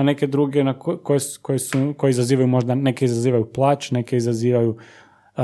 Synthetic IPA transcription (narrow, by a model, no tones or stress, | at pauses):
ne̞ke̞d̪ɾuɡenakkojekojesukojeizaziːʋajumo̞ʒd̪ane̞keizaziːʋajuplˠat͡ʃne̞keizaziːʋaju